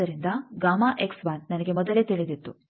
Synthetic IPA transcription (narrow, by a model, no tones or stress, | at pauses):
ɐɾind̪ɐɡaːmaːʔeksbaːnnɐnɐɡemɔd̪ɐleːt̪iɭid̪it̪ːu